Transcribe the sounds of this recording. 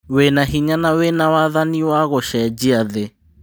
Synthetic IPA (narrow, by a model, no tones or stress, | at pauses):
wenaɦiɲanawenawaðaniwaɣɔʃɛd͡ʒiaðe